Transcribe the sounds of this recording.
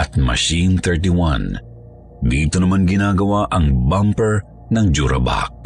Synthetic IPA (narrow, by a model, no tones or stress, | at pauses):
ʔɐt̪̚mɐ̰ʃinθɛɹt̪iwã̰n | d̪iːt̪onɐmanɡɪnaːɡɐwaʔɐŋbampɛɹ | nɐŋd͡ʒuɾɐ̰ba̰k̚